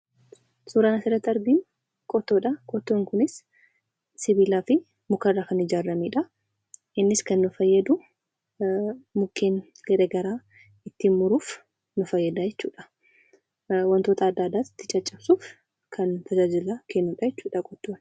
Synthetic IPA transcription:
suːɾaːnɐsɪɾɐt̪ːɐɾɡ̪iːn | kʼɔt̪ːoːᶑɐkʼɔt̪ːoːŋkʊnɪs | sɪβiːlaːfɪ | mʊkɐrːaːkɐnɪd͡ʒaːrːɐmeːᶑɐ | ʔɪnːɪskɐnːʊfɐjːɐd̪ʊ | mʊkʰːeːŋ | ɡɐɾeɡɐɾaː | ɪt̪ːiːnmʊɾuːf | nʊfɐjːɐd̪aːd͡ʒɛt͡ʃːṵːᶑɐ̥ | wɐnt̪o̞ːt̪ɐːd̪ːaːd̪ːaːt̪ɪ̥t̪ːɪt͡ʃʼɐt͡ʃʼːɐbsuːf | kʰɐnt̪ʰɐd͡ʒaːd͡ʒɪlaːkʰeːnːuːᶑɐjɛt͡ʃːuːᶑɐkʼɔt̪ːoːn

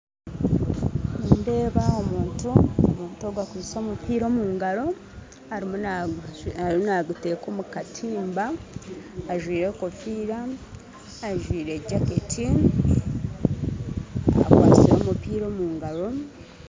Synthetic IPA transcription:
niːnde̞ːβaomuːntuomuːntoːɡwakuzso̞ːmupiːɾo̞ːmuːŋɡaɾo̞ | haɾimo | anaɡute̞ko̞mukatʰiːmbaː | ʒwiːɾe̞ːko̞fiːɾaː | ʒwiːɾe̞ɟaketʰi | a̰kwa̰ːsiɾo̞ːmupiːɾo̞muːŋɡaɾo̞

